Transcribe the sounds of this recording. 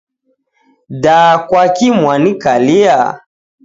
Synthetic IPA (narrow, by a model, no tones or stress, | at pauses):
dakwakimwanikalia